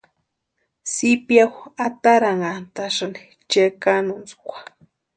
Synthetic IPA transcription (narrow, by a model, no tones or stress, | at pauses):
sipjawat̪aɾaŋant̪aʂani̥ | t͡ʃekanunt͡su̥kʷḁ